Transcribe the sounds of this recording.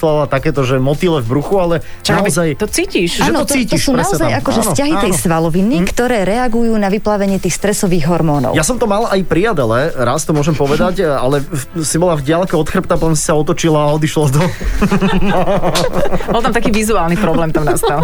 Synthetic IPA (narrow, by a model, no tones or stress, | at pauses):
lalat̪akɛːt̪ɔʒɛmɔt̪ilɛvbɾuxualɛ | t͡ʃ̪azajt̪ɔt͡siːciʃʒːɛnɔɔtt͡s̪iːc̪ɔsuːnaɔzajakɔʒɛsscaɦit̪ɛjsʋalɔʋinikt̪ɔɾɛːɾɛaɡujuːnaʋiplaːʋɛɲɪɛt̪iːxst̪ɾɛsɔʋiːɣɦɔɾmɔːnɔ̰ʊjasɔmt̪ɔmalʔajpɾiad̪ɛlɛɾast̪ɔmʊɔʒɛmpɔʋɛd̪acalɛsibɔlavɟɪalkɛɔt̪xr̩pt̪apɔt̪ɔnsi̥saɔt̪ɔt͡ʃilaːɔd̪iʃlad̪ɔ | bɔlˠt̪amt̪akiːʋizuaːlˠnipɾɔblɛːmt̪amnast̪al